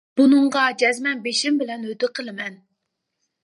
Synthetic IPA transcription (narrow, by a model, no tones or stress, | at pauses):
b̥unɨɴʁɑd͡ʒɛzmɛnbeʃimbɪlɛnød̪ɪqʰəlˠɨmɛn